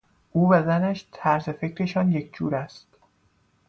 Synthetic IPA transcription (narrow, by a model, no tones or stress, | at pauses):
ʔuːbæzænæʃt̪ʰæɾzefe̞cʰɾe̞ʃɒnjecʰd͡ʒuːɾæst̪